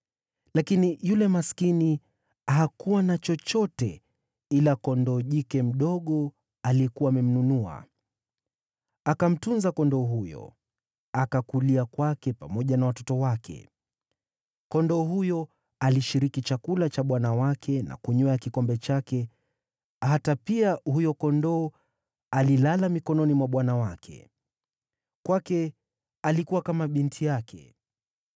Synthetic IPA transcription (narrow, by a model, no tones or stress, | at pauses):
lakinijulɛmaskini | aɦakuwanat͡ʃɔt͡ʃɔtɛ | ilakɔndɔʄikɛm̩ɗɔɠɔ | aliɛkuwaːmɛm̩nunua̰ | akam̩tunzakɔndɔɦujɔ̰ | akakuliakwakɛpamɔʄanawatɔtɔwakʰɛ̰ | kɔndɔːɦujɔ | aliʃiɾikit͡ʃakulat͡ʃaɓwanawakʰɛnʔa̰kuɲɔakikɔmbɛt͡ʃakɛ | hatapiahujɔkɔndɔː | alilalamikɔnɔnimwaɓwanawakʰɛ̰ | kwakɛ | alikuwakamaɓintʰijakʰɛ̰